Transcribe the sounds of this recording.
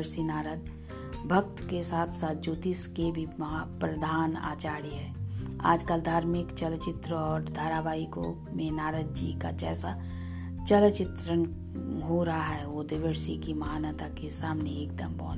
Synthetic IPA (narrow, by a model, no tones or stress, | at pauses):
ɾsinaːɾəd̪ | bʱək̚t̪kesaːt̪ʰsaːt̪̚d͡ʒuːt̪iskebʱimɐɦapɾəd̪ʱaːna̰ːt͡ʃaːɾiɦɛːa̰ːd͡ʒkəld̪ʱaːɾmɪkt͡ʃəlt͡ʃɪt̪ɾəɔːɾd̪ʱaːɾabʱaːiko̰ | mẽnaːɾəd̪̚d͡ʒikad͡ʒɛːsa | t͡ʃəlt͡ʃɪt̪ɾən | ɦoɾɦaɦɛʋod̪ɪʋəɾsḭkimɐɦaːnət̪akesaːmneeːkd̪əmbɔ̰̃ːn